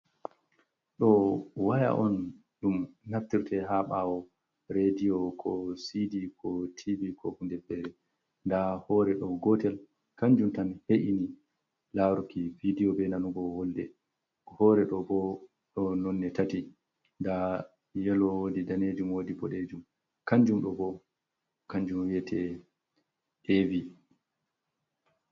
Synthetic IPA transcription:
ɗɔwaja̰ʔɔn | ɗumːaftiɾtɛɦaɓawɔ | ɾediɔkʰɔsidikʰɔtʰibikɔfundɛbːɛɾɛ | ndahɔːɾɛɗɔɡɔtɛl | kaɲd͡ʒumtanheʔini | laɾukividiɔbɛnanuɡɔwɔldɛ | hɔːɾɛɗɔbɔ | ɗɔnɔnːɛtati | nda | jɛlɔwodidaned͡ʒumwodipɔɗed͡ʒum | kaɲd͡ʒumɗɔbɔ | kaɲd͡ʒumwiɛtʰɛ | ɗevi

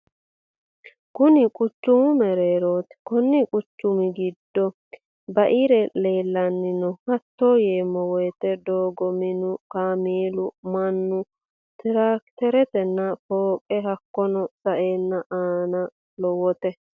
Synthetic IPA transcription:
kʊnɪkʼʊt͡ʃːʊmʊmɛɾeːɾoːt̪ɛ̥kʊnːɪkʼʊt͡ʃːʊmɪɡɪd̪ːɔ | bɐʔiɾɛle̞ːlːɐnːɪnɔhɐt̪ːo̞ːjeːmːɔwɔjt̪ɛd̪oːɡɔmɪnʊkaːmeːlʊmɐnːʊ | t̪ɪɾakt̪ɛɾɛt̪ɛnːɐfoːkʼɛhɐkːɔnɔsʼɐʔeːnːɐʔaːnɐ | lɔwɔt̪ɛ

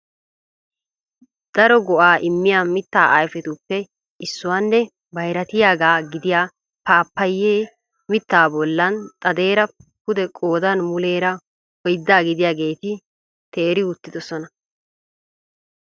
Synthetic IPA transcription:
d̪̥ɐɾɔɡɔʔaːʔɪmːɪjaːmɪt̪ːa̰ːʔajfɛt̪ʊpːɛ | ɪsːʊwaːnːɛ | bɐjɾɐt̪ɪjaːɡaːɡɪd̪ɪjaː | paːpːɐjːeː | mɪt̪ːaːbɔlːɐnt̪ʼɐd̪e̞ːɾɐkʊd̪ɛkʼo̞ːd̪ɐnmʊle̞ːɾɐ | ɔjd̪ːaːɡɪd̪ɪjaːɡe̞ːt̪ɪ | t̪eːɾɪʊt̪ːɪd̪ɔsɔnɐ

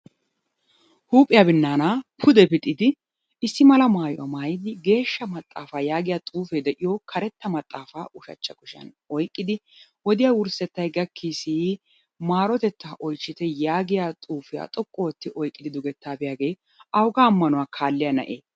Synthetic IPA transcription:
huːpʼːɪjaːbɪnːaːnapʰʊd̪ɛbɪt̪ʼːɪd̪ɪ | ɪsːɪmɐlɐmaːjɔwɐ̰maːjɪd̪ɪɡe̞ːʃːɐmɐt̪ʼːa̰ːfaːjaːɡɪjaːt̪ʼuːfeːd̪ɛʔɪjokʰɐɾɛt̪ːɐmɐt̪ʼːaːfaːʔʊʃɐ̰t͡ʃːɐkʼʊʃɐ̰n | ɔjkʼːɪd̪ɪwɔd̪ɪjaːwʊɾsɛt̪ːɐjɡɐkʰːiːsi | maːɾɔt̪ɛt̪ːaːʔɔjt͡ʃːɪt̪ɛjaːɡɪjaːt̪ʼuːfɪja̰ːt̪ʼɔkʼːoːɔt̪ːɪʔɔjkʼːɪd̪ɪd̪ʊɡɛt̪ːaːbɪjaːɡe̞ː | ɐwɡaːmːɐnʊwaːkʰaːlːɪjanɐ̰ʔeː

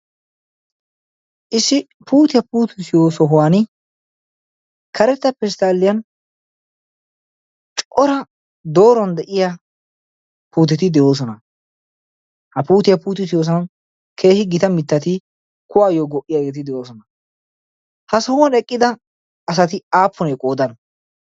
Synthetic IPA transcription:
ʔɪsːɪ | puːt̪ɪjɐpuːt̪ɪsɪjoːsɔɦʊwan | kʰɐɾɛt̪ːɐpɛst̪aːlːɪjɐn | t͡ʃʼɔɾɐ | d̪o̞ːɾɔnd̪ɛʔɪja | puːt̪ɪt̪ɪd̪ɛjo̞ːs̬ɔnɐ | hɐpuːt̪ɪjɐpuːt̪ɪsɪjoːs̬ɔn | kʰe̞ːhɪɡɪt̪ɐmɪt̪ːɐt̪ɪ | kʊwaːjoːɡɔʔɪjaɡet̪ɪd̪ɛjo̞ːsɔnɐ | hɐsɔhʊwɐnɛkʼːɪd̪ɐː | s̬ɐt̪ɪaːpʰːɔnɛkʼo̞ːd̪ɐn

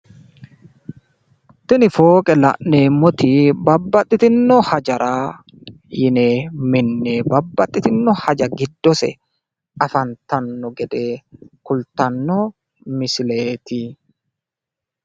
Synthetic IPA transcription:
t̪ɪnɪfoːkʼɛlɐ̰ʔneːmːɔt̪ibɐbːɐt̪ʼːɪt̪ɪnːɔhɐd͡ʒɐɾʔaː | jɪneːmɪnːeːbɐbːɐt̪ʼːɪt̪ɪnːɔhɐd͡ʒɐɡɪd̪ːɔsɛ̰ | ɐfɐnt̪ɐnːɔɡɛd̪eːkʊlt̪ɐnːɔ | mɪsɪleːt̪i

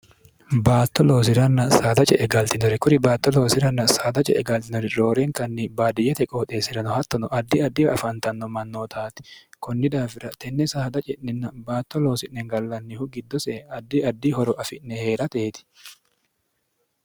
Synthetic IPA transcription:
baːt̪ːɔlo̞ːs̬ɪɾɐnːɐsaːd̪ɐt͡ʃʼɛʔɛɡɐlt̪ɪnɔɾɪkʊɾɪbaːt̪ːɔlo̞ːsɪɾɐnːɐsaːd̪ɐt͡ʃʼɛʔɛɡɐlt̪ɪnɔɾɪɾo̞ːɾɛŋkɐnːɪbaːd̪ɪjɛt̪ɛkʼoːt̪ʼeːsɪɾɐnɔhɐt̪ːɔnɔʔɐd̪ːɪɐd̪ːɪɐfɐnt̪ɐnːɔmɐnːoːt̪ʰaːt̪ɪ̥kɔnːɪd̪aːfɪɾɐt̪ɛnːɛsaːd̪ɐt͡ʃʼɛʔnɛnːɐbaːt̪ːɔlo̞ːsɪʔnɛŋɡɐlːɐnːɪhʊɡɪd̪ːɔsɛɐd̪ːɪɐd̪ːɪhɔɾɔʔɐfɪnnɛhe̞ːɾɐt̪eːt̪ɪ̥

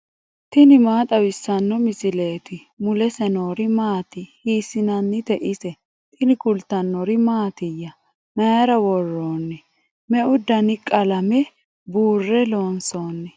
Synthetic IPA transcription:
t̪ɪnɪmaːt̪ʼɐwɪsːɐnːɔmɪsɪle̞ːt̪ɪ | mʊlɛsɛnoːɾɪmaːt̪ɪhiːsɪnɐnːɪt̪ɛʔɪsɛ | t̪ɪnɪkʊlt̪ːɐnːɔɾɪmaːt̪ɪjːɐ | mɐjɐɾɐwɔrːoːnːɛ | mɛʔʊd̪ɐnɪkʼɐlɐmɛ | buːrːɛloːnso̞ːnːɛ

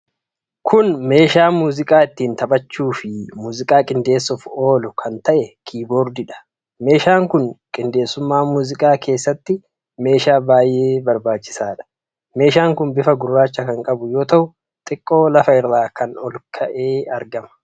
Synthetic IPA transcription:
kʰʊnme̞ːʃaːmuːzɪkʼaːɪt̪ːiːnt̪ɐbɐt͡ʃːuːfɪmuːzɪkʼaːkʼɪnd̪e̞ːsːʊfo̞ːlʊkʰɐnt̪ɐʔɛkʰiːboːɾd̪ɪᶑɐ̥ | me̞ːʃaːŋkʊnkʼɪnd̪e̞ːsːʊmːaːmuːzɪkʼaːkʰe̞ːsːɐt̪ːɪ | me̞ːʃaːbaːjʔe̞ːbɐɾbaːt͡ʃːɪ̥saːᶑɐ̥ | me̞ːʃaːŋkʊnbɪfɐɡʊrːaːt͡ʃːɐkɐŋkʼɐbʊjo̞ːt̪ɐʔʊ | t̪ʼɪkʼːo̞ːlɐfɐɪrːaːkɐnɔlkʰɐʔe̞ːɐɾɡɐmɐ̥

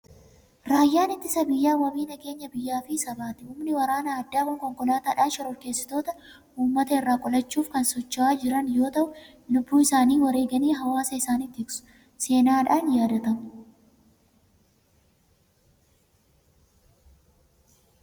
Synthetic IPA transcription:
ɾaːjːaːnɪt̪ːɪsɐbɪjːaːwɐbiːnɐke̞ːɲːɐbɪjːaːfɪsɐbaːt̪ɪʊːmnɪwɐɾaːnɐːd̪ːaːwɐŋkɔŋkɔlaːt̪aːᶑaːnʃɐɾɔɾke̞ːsːɪ̥t̪o̞ːt̪ɐ | ʔuːmːɐt̪ɐɪrːaːkʼɔlɐt͡ʃːuːfkɐnsɔt͡ʃːɐaːd͡ʒɪɾɐnjo̞ːt̪ɐʔʊ | lʊbːuːɪsaːniːwɐɾe̞ːɡɐniːɦɐwaːsɐɪsaːnit̪ːɪsʊ̥ | se̞ːnaːᶑaːnjaːd̪ɐt̪ɐmʊ̥

